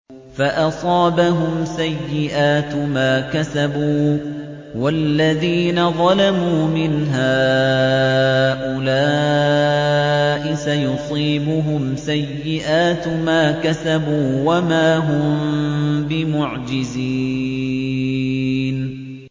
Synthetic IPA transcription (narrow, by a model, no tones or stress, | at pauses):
faʔɑsˤɑːbaɦʊmsajːɪʔaːt̪maːkasabuː | walːaðiːnaðˤɑlamuːmɪnɦaː | ʔʊlaː | ʔɪsajʊsˤiːbʊɦʊmsajːɪʔaːt̪maːkasabuːwamaːɦʊmmbɪmʊʕd͡ʒɪzi | n